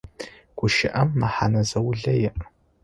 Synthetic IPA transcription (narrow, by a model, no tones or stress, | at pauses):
ɡʷʊʃɪʔɐmːaħa̰nɐzɐwɮɐjɛʔ